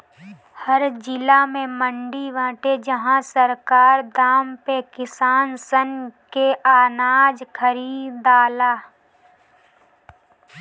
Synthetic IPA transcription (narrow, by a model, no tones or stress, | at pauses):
həɾd͡ʒɪlamẽmə̃ɳɖiʋãːʈed͡ʒəɦãsəɾkaːɾd̪aːmpekɪsaːnsənkeʔaːnaːd͡ʒkʰəɾiːd̪aːlaː